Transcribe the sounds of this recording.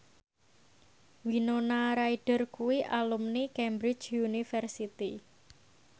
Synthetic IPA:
winonaɾaiɖ̥ə̤rkuwiʔalumnikɛmbɾɪ̥t͡ʃjunifɛrsit̪i

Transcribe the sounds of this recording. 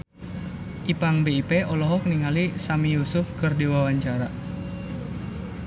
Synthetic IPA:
ʔipaŋbeipeʔɔlɔɦɔk̚niŋalisamijusʊfkɨrdiwawaɲt͡ʃaɾa

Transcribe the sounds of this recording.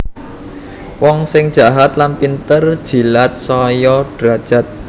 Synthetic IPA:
wɔŋsɪŋd̥ʒ̥a̤ɦat̪lanpint̪ərd̥ʒ̥i̤lat̪̚sɔjɔɖ̥ɾad̥ʒ̥a̤t̪̚

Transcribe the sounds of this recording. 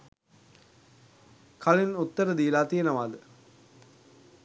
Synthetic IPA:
kʰalinut̪ːəɾəd̪ijəlaːt̪ijənɐʋaːd̪ə

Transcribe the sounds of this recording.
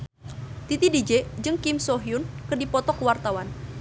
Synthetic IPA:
t̪it̪idid͡ʒɛd͡ʒɨŋkimsɔɦiunkərdipɔt̪ɔkəwart̪awan

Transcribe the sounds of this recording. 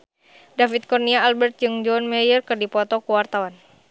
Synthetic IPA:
dafit̪̚kɔrniaːlbɛrt̪̚d͡ʒɨŋd͡ʒɔnmɛjərkɨrdipɔt̪ɔkuwart̪awan

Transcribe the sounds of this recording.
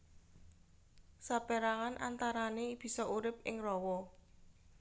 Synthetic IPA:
sapɛɾaŋanʔa̰nt̪aɾaneb̥i̤sɔʔuɾɪp̚ɪŋrɔwɔ

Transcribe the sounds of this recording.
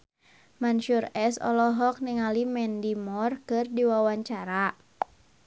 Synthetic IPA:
manʃurɛsɔ̰lɔɦɔk̚niŋalimɛndimɔrkɨrdiwawaɲt͡ʃaɾa

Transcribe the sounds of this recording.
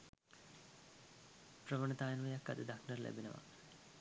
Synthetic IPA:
prəʋəɳɐt̪aːjənʋəjakːa̰d̪əd̪aknərlʔæ̰binəʋa̰

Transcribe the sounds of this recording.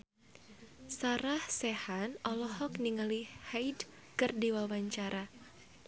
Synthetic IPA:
saɾahsɛhanɔlɔhɔk̚niŋalihajd | kɨrdiwawaɲt͡ʃaɾʔa

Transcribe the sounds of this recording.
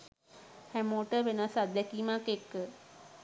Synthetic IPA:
hæmoːʈəʋenasad̪ɛkiːmakekːə

